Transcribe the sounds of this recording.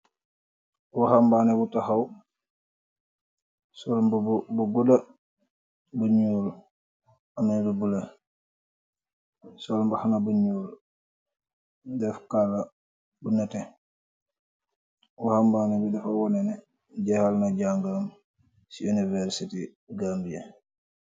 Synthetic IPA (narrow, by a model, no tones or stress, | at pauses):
wahambanɛbutahaw | sɔlbbuɡuda | buɲuːl | amanbubule | sɔlmbahanabuɲul | dɛfkalːa | bunɛtɛ | wahambaːnɛbidɛfawɔnɛnɛ | ɟɛhalnaɟaŋɡam | siunivɛɾsiti | ɡambie